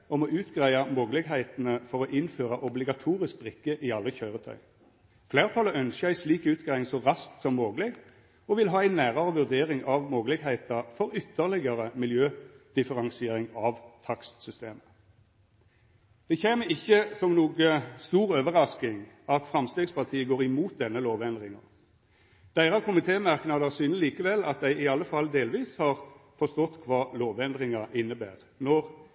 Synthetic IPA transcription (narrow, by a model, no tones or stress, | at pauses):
ɔmɔʔʉːt̪ɡʁæɪɑmoːɡəlɪɡɦæɪt̪nəfɔʁɔʔɪnføːʁɑʔɔblɪɡɑt̪ʰuːʁɪsk̚bʁɪkːəʔɪɑlːəçœʏʁət̪ʰœ̰ʏ | fleːʁt̪ʰɑləœnskəæɪsliːkʉːt̪̚ɡ̥ʁæɪɪŋsɔʁɑsk̚t̪sɔmːoːɡəlɪɡ | ɔʋɪlɦɑːæɪnæːʁəʁəʋʉʁd̪eːʁɪŋɑʋmoːɡəlɪɡhæɪt̪ɑfɔʁʏt̪ːəʁlɪɡɑʁəmɪljøːd̪̥ɪfəʁɑŋsɪeːʁɪŋɑʋt̪ʰɑkst̪sʏst̪eːmə̥ | d̪̥ɛçeːməɪçːəsɔmnuːɡəst̪uːʁøːʋəʁɑskɪŋɑt̪fʁɑmst̪eːɡspɑʁt̪ʰiːəɡoːʁɪmuːt̪̚d̪ɛnːəloːʋɛnd̪ʁɪŋɑ̰ | d̪̥æɪʁɑkʰʊmɪt̪ʰeːmɑʁknɑd̪əsyːnəliːkəʋɛlːɑt̪̚d̪æɪɪɑlːəfɑld̪eːlʋiːshɑːʁfɔst̪ɔt̪ːkʰʋɑːloːʋɛnd̪ʁɪŋɑʔɪnːəbæ̰ːʁ | nɔʁ